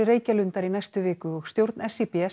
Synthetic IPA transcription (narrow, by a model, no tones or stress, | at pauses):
ɪreːjcalʏnt̪aɾinajst̪ʏvɪːkʏɔxst̪jowɾt̪nɛsipiɛ